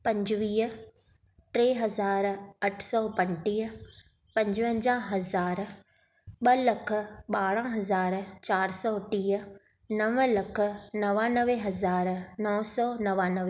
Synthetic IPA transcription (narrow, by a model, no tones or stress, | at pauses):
pɐ̃ɲd͡ʒʋiː | ʈɾeːɦɐzaːɾɐʈʰsɔːpə̃ɳʈiː | pɐ̃ɲd͡ʒʋə̃ɲd͡ʒãːɦɐzaːɾ | ɓələkʰɓaːɽãɦɐzaːɾt͡ʃaːɾsɔːʈiː | nəʋlɐkʰnɐʋãːnəʋeɦɐzaːɾnɔːsɔːnɐʋãːnəʋe